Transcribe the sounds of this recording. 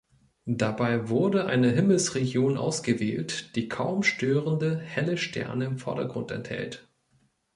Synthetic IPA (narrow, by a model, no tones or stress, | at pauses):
d̥abaɪvʊɐdəʔa̰ɪnəɦɪml̩sʁeɡjoːnʔa̰ʊsɡ̥əveːltd̥iːkʰaʊmʃtøːʁəndəhɛləʃtʰɛ̰ɐnəɪmfɔɐdɐɡʁʊntɛ̰nthɛ̰lt